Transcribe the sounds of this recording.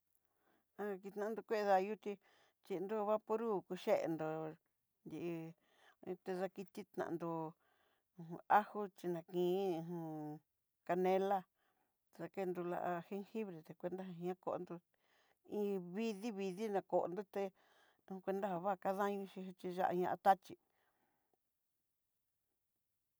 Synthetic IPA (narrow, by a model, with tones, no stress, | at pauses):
a˧ki˧t̪nã˧nd̪u˧kʷe˦˧ða˧ju˦t̪i˧ | t͡ʃi˧nd̪o˦˧βa˦po˧ɾu˦˨ku˧ʃe˦ʔḛ˧nd̪o˨ | nd̪ʲi˧˨ʔ | t̪e˧ða˧ki˧t̪i˦t̪nã̰˨˧nd̪õ˧˨ | ũ˧a˦hu˦t͡ʃi˧nã˨kĩː˨˦ũ˧ɦũ˧ | ka˧nẽ˦la˦ | t̪e˧ða˧ke˦˧nd̪u˧la̰˧ʔa˧he˦ŋhi˦βɾe˨t̪e˧kʷe˧nd̪a˦ɦã˧˦ã˦ko̰˧ʔnd̪o˧ | ĩ˦βi˦ði˦βi˧ði˦nã˧ko˨ʔo̰˧nd̪o˦˧t̪e˧ | ũ˧hũ˧kʷe˧nd̪a˦ha˧βa˦˨ka˦ðã˦ɲũ˧ʃĩ˧ɦt͡ʃi˧ʒa̰˦ʔa̰˧ɲã˧ʔa˧t̪a˦t͡ʃi˧˨